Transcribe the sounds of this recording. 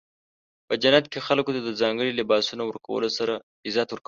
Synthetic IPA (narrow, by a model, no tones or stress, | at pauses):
pəd͡ʒanat̪kexalkot̪ad̪əzɑŋɡəɽilɪbɑsunawəɾka̰wə̰losaɾa | ɪzɑt̪wəɾka